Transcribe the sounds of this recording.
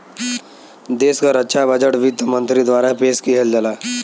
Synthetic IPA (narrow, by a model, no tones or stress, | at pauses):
d̪eːskaɾətːʃʰabʱəd͡ʒəʈʋit̪mə̃nt̪ɾid̪waːɾaɦpeːskiɦeld͡ʒəlaː